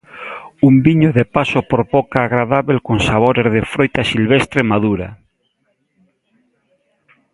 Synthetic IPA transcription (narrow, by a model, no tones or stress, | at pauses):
umbiɲoðepasopoɾβokaːɣɾaðaβelkonsaβoɾezðefɾojt̪asilβest̪ɾemaðuɾa̰